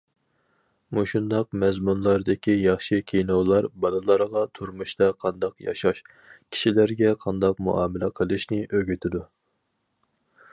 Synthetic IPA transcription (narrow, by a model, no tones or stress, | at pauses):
muʃund̪ɑq̚mɛzmunlˠɑɾd̪ɪkʲʰijɑχʃɨkʲʰejnowlˠɑɾbɑnɨlˠɑɾʁɑt̪ʰuɾmuʃt̪ɑqʰɑnd̪ɑqjɑ̰ʃɑʃ | kʲʰi̥ʃilæɾɡʲɛqʰɑnd̪ɑq̚mṵʔɑːmɪlɛqʰəlˠɨʃnɪʔøɡʲyt̪ʰɪd̪u